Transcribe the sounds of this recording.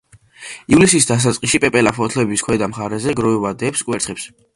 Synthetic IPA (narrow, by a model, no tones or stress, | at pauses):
ivlisisd̪as̬at̪sʼqʼiʃipʼɛpʼɛlapʰɔt̪ʰlɛbiskʰwɛd̪amχaɾɛzɛɡɾɔivad̪ɛpskʼwɛɾt̪sχɛps